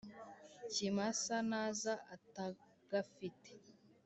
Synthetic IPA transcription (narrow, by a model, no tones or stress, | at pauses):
cimasanaːzaʔata | ɡ̥afite̥